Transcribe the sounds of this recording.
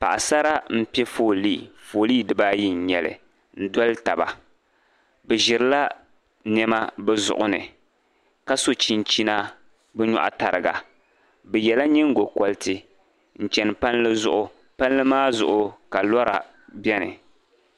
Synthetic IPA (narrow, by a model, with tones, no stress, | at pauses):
pa̰˨ʔa˨sa˦ɾa˦m̩˦pɛ˦foː˨liː˦˨foː˨liː˦dɨ˦ba˦ji˦ɲ̩˨ɲɛ˨lɨ̰˨ | n̩˦dɔ˦lɨ˦ta˨ba̰˨ | bɛ˨ʒɪ˨ɾɨ˦la˦ | nɛ˦ma˦bɛ˦zʊ̰˨ʔʊ˦nɨ̰˨ | ka˦so˦t͡ʃi˦n˦t͡ʃi˦na˦ | bɛ˦ɲɔ̰˦˨ʔa̰˦ta˨ɾɨ̰˨ɡa̰˨ | bɛ˨jɛ˨la˦ɲɛ˦ŋ̩˦ɡo˨kɔ˦ltɨ˦ | n̩˨t͡ʃɛ˨nɨ˨pa˦nlɨ˦zʊ̰˦ʔʊ˦ | pa˦n˦lɨ˦maː˦zʊ˨ʔʊ˦ka˨lɔ˦ɾa̰˨ | bɛ˦nɨ̰˨